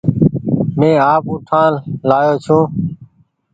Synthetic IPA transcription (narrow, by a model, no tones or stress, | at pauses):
mẽːaːpũːʈʰãːlaːjoːt͡ʃʰũː